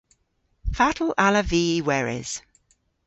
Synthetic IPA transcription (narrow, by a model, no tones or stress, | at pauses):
fatʰəl̩ʔaləviːwɛɹɪ̰z̥